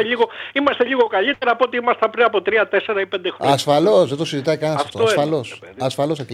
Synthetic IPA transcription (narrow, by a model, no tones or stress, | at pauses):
eʎiɣo̞imɐst̪e̞ʎiɣo̞kɐʎit̪e̞ɾɐːpot̪iimɐst̪ɐpɾiɐpo̞t̪ɾiɐt̪e̞se̞ɾɐipe̞nd̪exɾoɐsfɐlo̞sðet̪osizit̪ɐikɐnsɐft̪oosɐlos | ɐsfɐlosɐk